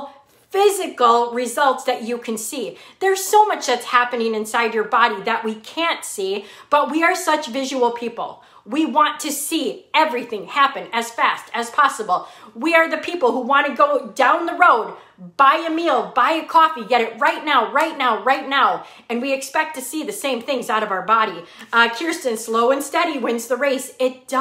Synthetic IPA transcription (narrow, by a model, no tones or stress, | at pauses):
fɪzɨkl̩ˠɹɪzʌlˠtsðɨt͡ʃɨkʰɨ̃nsiðə˞z̥soʊmʌt͡ʃðɨtshæpɨnɪ̃ŋɨ̃nsaɪd͡ʒə˞bɑɾiðɨʔ̚wikʰæ̃ntsi | b̥ʌt̚wiə˞sʌt͡ʃvɪʒɨl̩ˠpʰipl̩ˠ | wiwɑ̃ntʰɨsiɛvɹiθɪ̃ŋhæpɨ̃nɨz̥fæstʰɨz̥pʰɑsəbl̩ˠwiə˞ðɨpʰipl̩ˠhuwɑ̃ñɨɡoʊdãʊ̃nðəɹoʊd̚ | b̥aɪɨmilˠbaɪɨkʰɔfiɡɛɾɨt̚ɹaɪtⁿnaʊɹaɪtⁿnaʊɹaɪtⁿnaʊ | ɨ̃nwiɨkspɛk̚tʰɨsiðɨsẽɪ̃mθɪ̃ŋzaʊɾʌvaʊə˞bɑɾikʰɪɹstɨ̃nsloʊɨ̃nstɛɾiwɪ̃nzðəɹeɪsɪt̚d̥ʌ